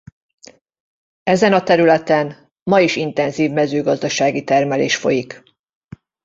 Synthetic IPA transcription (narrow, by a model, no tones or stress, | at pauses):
ɛzɛnɒt̪ɛɾylɛt̪ɛn | mɒiʃint̪ɛnziːvmɛzøːɡɒzd̪ɒʃaːɡit̪ɛrmɛlḛːʃfo̞̰jik